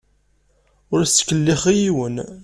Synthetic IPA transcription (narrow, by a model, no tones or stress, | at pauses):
ʊɾsːə̥kːəlːiχijiwən